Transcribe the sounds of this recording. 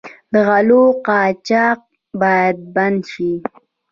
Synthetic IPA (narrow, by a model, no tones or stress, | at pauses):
d̪əɣaloqɑːt͡ʃɑːq̚ | bɑːjad̪̚banʃi